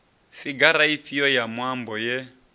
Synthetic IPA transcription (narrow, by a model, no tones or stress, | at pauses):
fiɡaɾaiɸiɔjamwambɔjɛ